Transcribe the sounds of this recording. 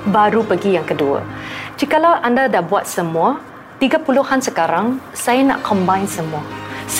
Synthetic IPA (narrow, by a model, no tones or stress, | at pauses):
baɾupəɡijaŋkəduə̰d͡ʒikalawʔandadaʔbuat̪̚səmua | t̪iɡapuluhansəkaɾãŋ | sajana̰ʔkʰɔ̃mbajnsəmuas